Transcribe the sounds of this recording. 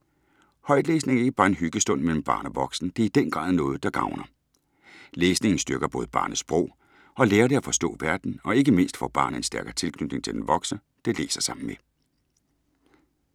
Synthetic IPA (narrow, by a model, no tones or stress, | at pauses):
hɒ̽ɪd̥leːsne̝ŋeɡ̥əb̥ɑ̈ːe̝nɦyɡ̥əsd̥ɔ̽n̰mel̰m̩b̥ɑ̰̈ːnɒʋɒ̽ɡ̥sn̩d̥e̝ɐid̥enɡ̥ʁɑ̰̈ːðˠnɔ̽ːð̞̩ˠd̥ɑ̈ɡ̥ɑ̈ʊnɐ | leːsne̝ŋn̩sd̥yɐɡ̥ɐb̥ɔ̽ːð̞̩ˠb̥ɑ̈ːnəsb̥ʁɔ̰ʊ̰ | ɒ̽leːɐɾe̝æfɒ̽sd̥ɔ̰̽ːʋæɐd̥n̩ɒ̽e̝ɡ̥əme̝n̰sd̥fɒ̰ːb̥ɑ̈ːn̩e̝nsd̥æɐɡ̥ɐt͡sʰe̝lkʰnyd̥ne̝ŋt͡sʰe̝ld̥enʋɒ̽ɡ̥sə | d̥e̝le̝̰ːsɐsɑ̈m̰n̩me